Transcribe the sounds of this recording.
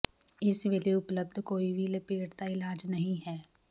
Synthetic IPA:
ɪsʋeliʊpləb̚d̪ʱkoːibʱilɐpeːʈt̪aɪlaːd͡ʒnɐɦĩɦɛː

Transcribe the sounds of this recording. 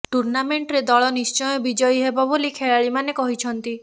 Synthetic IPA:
ʈuɾnameɳʈɔɾed̪ɔɭɔnist͡ʃɔjɔbid͡ʒɔjɦebɔbolikʰeɭaɭimanekɔɦit͡ʃʰɔnt̪i

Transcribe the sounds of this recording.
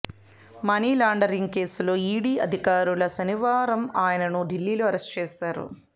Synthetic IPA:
mɐniːlaːɳɖɐɾiŋɡ̚ke̞ːslo̞ːiːɽiːɐd̪ʱikaːɾulɐsɐniʋaːɾɐmaːjɐnɐnuɖilːiːloːɐɾest͡ʃeːʃaːɾṵ

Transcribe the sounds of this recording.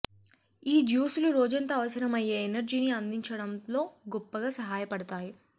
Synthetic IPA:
iːd͡ʒjuːsuluɾoːd͡ʒɐnt̪ɐːʋɐsɐɾɐmɐjːeːenɐɾd͡ʒiːniɐnd̪iɲt͡ʃɐɽɐmlo̞ːɡɔpːɐɡaːsɐɦaːjɐpɐɽɐt̪aːji

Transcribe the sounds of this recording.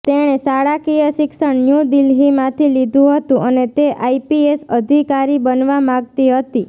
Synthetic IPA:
t̪eɽ̃esaɽakijəʃɪksəɳnjũd̪ilɦimãt̪ʰilid̪ʱũɦət̪ũʔənet̪eʔaipiesəd̪ʱikaɾibənʋamãɡt̪iɦət̪i

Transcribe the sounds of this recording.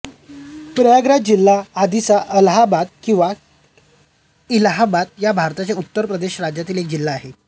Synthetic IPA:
pɾəjaɡɾad͡ʑilːaːd̪ʱit͡saʔəlɦabat̪̚kĩw̃ʋa | ilɦabat̪jabʱaɾt̪at͡ɕaut̪ːəɾpɾəd̪eɕɾad͡ʑjat̪iːlek̚d͡ʑilːaːɦe

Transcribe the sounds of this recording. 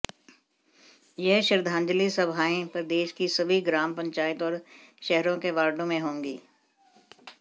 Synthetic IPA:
jɛɦʃɪɾd̪ʱãːɲd͡ʒəlisɐbʱaːẽpəɾd̪eːʃkisɐbʱiɡɾaːmpə̃ɲt͡ʃaːɪt̪ɔːɾʃɛɦɾõkeʋaːɾɖõmẽɦõːŋɡiː

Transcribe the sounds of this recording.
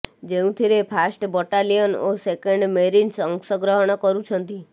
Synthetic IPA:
d͡ʒeũt̪ʰiɾepʰasʈbɔʈalijɔnosekeɳɖmeɾinsɔŋksɔɡɾɔɦɔɽ̃ɔkɔɾũt͡ʃʰɔnt̪i

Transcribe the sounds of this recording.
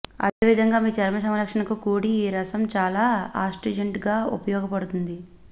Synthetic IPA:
ɐ̰d̪eːʋid̪ʱɐŋɡaːmiːt͡ʃɛɾmɐsɐmlɐkʂɐɳɐkukuːɽiːɾɐsɐmt͡ʃaːlaːaːsʈed͡ʒɐɳʈɡaːṵpɐjɔːɡɐpɐɽut̪und̪i

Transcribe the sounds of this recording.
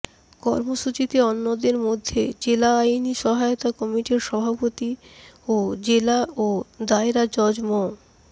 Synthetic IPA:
kɔɾmoʃut͡ɕit̪eɔnːod̪eɾmod̪ʱːed͡ʑelaajniʃɔɦajot̪akɔmiʈiɾʃɔbʱapot̪iod͡ʑelaod̪aeɾad͡ʑɔd͡ʑmo

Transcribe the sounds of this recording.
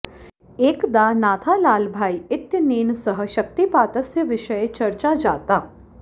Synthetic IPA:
eːkd̪anaːt̪ʰalaːlbʱaːiɪt̪jəneːnsəɦəʃɐk̚t̪ipaːt̪əsjəʋɪʃəet͡ʃɐɾt͡ʃad͡ʒaːt̪aː

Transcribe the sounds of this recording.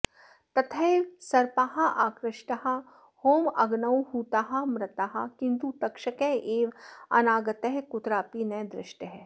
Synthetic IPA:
t̪ɐt̪ʰɐjʋsɐɾpaːɦɐʔaːkɾɪʃʈɐɦɐ̆ | hoːmɐɡnɐwhuːt̪aːɦɐmɾɐt̪aɦɐkɪ̃nt̪ut̪ɐkʃɐkeʔeːʋɐ̰naːɡɐt̪ɐɦkut̪ɾaːpinɐjd̪ɾɪ̰ʃʈɐɦɛ

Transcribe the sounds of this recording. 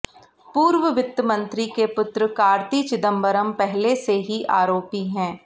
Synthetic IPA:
puːɾʋəʋɪt̪ːəmə̃nt̪ɾikepʊt̪ɾəkaːɾt̪it͡ʃɪd̪ə̃mbəɾəmpɛɦleseɦiʔa̰ːɾoːpiɦɛ̃ː

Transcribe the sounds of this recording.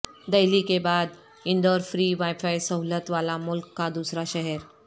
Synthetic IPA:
d̪əjlikebad̪ | iɳɖəɾfɾiːʋajfajsəɦlət̪ʋalamulkːad̪usɾaɕɛɦɛɾ

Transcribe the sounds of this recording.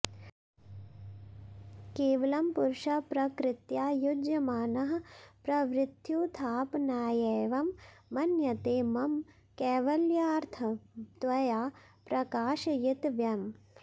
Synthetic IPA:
keːʋɐlɐmpuɾʃɐpɾɐkɾɪt̪jaːjud͡ʒjɐmaːnɐɦɐpɾɐʋɾɪt̪juːt̪ʰaːpnaːjeːʋɐmːɐnjɐt̪eːmɐm | kɛːʋɐljaːɾt̪ʰɐt̪ʋɐjaː | pɾɐkaːʃɐjɪt̪ʋjɐm

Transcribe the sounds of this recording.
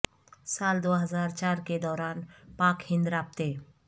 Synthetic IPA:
saːld̪oːɦəzaːɾt͡ʃaːɾked̪ɔːɾaːnpaːkhɪ̃nd̪ɾaːp̚t̪eː

